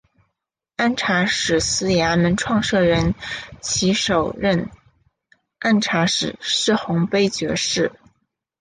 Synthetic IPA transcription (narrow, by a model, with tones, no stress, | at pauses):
a˥˩nʈ͡ʂʰa˧˥ʂɻ̩˨˩sɹ̩˥ja˧˥mə˧˥nʈ͡ʂʰwɑ˥˧ŋʂɤ˥˩ɻə˧˥nt͡ɕʰi˧˥ʂo˨˩ʊɻə˥˧n | a˥˩nʈ͡ʂʰa˧˥ʂɻ̩˨˩ʂɻ̩˥˩xʊ˧˥ŋpe˥ɪt͡ɕɥɛ̰˧˥ʂɻ̩˥˩